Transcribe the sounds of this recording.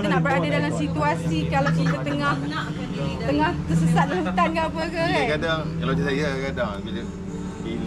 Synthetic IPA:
t̪ənahbəɾadadalamsit̪uasikalawkit̪at̪əŋah | t̪əŋahk̪əsəsat̪̚lat̪ankapəkaakadaŋalad͡ʒasajakadaŋbilə

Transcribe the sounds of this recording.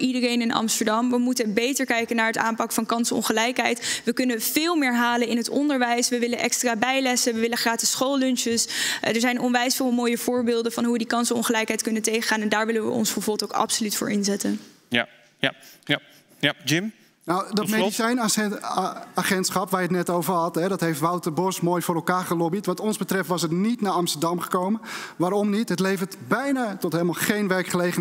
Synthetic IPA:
ʔidərejnɪnʔɑ̰mstəɹdɑmʋəmutəbejtəɹkɛjkənaːɹɦəta̰ːmpɑkəfɑnkɑnsɔ̰nχəlɛjkɦɛjtʋəkɵnəv̥ɪːlˠmɪːɹɦaːlənɪnɦətɔndəɹʋɛjsʋəʋɪlənʔɛkstraːbɛjlɛsəʋəʋɪləχaːtəsχowlɵnʃəsdəɹzɛjnɔnʋɛjsfɪːlˠmoːjəvʊːɹbɪːlˠdəvɑnɦuʋədikɑnsɔ̰nχəlɛjkɦɛjtkɵnəntejχəχaːnɛndaːɹʋɪlənʋə̰ɔ̰nsfəvubəlˠtoʊwkɑ̰psolytfʊ̰ːɹʔɪnzɛtən | d͡ʒɪm | nawdɔtmedisɛjn | aχɛntsχɑpʋajətnɛtowvəɹhɑtɦɛdɔtɦeftʋawtəbɔsmoːjfoːɾɛlˠkaːɹχəlobitʋɑtɔnzbətrɛftʋɑsətnitnaːɹɑmstəɹdɑmχə̥kowmənʋaːɾɔmnitɦətlejvətbɛjnatɔtɦelˠmalˠχejnʋɛɹkχəlejχə

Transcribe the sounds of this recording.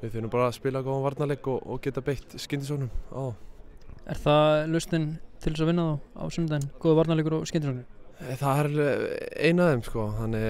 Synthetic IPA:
vɪθɛːɾnʏmpaːɾaspɪːlakoːanvaɾt̪nalekɔɔ̰ɣcɛːt̪apejht̪scɪnt̪ɪsɔknʏma̰wθa | ɛ̰ɾ̥θalʏst̪ɪnt̪ʰɪlɛsavɪnːaθowa̰wsʏmt̪̬ankoːðɪvaɾt̪nalːkʏɾawscɪnt̪ɪsɔknɪmθaɛɾɾḛːjnaðemskɔɦanːɛ

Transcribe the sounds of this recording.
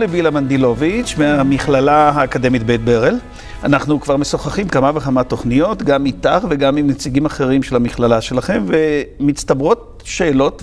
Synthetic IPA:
lebilamandilo̞vit͡ʃmeamiχlalaɦaːkade̞mitbejt̚beʁel | anaχnukv̥aʁme̞soχaχimkamaveχamat̪o̞χnijo̞tɡamːitaχve̞ɡamimnet͡siɡimaχe̞ʁimʃe̞lhamiχlalaʃe̞laχe̞mve̞mit͡st̪abʁo̞t̚ | ʃeːlo̞t

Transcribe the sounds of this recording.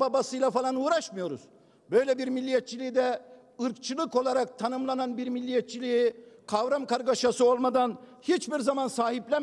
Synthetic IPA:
babasɯjlˠafalˠanuːɾaʃmɯjo̞ɾuz̥ | bø̞jlʲɛbiɾmilʲːijɛt̪̚t͡ʃʰilʲid̪ɛ | ɯɾk̚t͡ʃʰɯlˠɯko̞lˠaɾak̚t̪ʰanɯmlˠananbiɾmilʲːijɛt̪̚t͡ʃʰilʲijikʰavɾamkaɾɡaʃasɯo̞lˠmad̪anhit͡ʃbiɾzamansaːhiplʲɛ

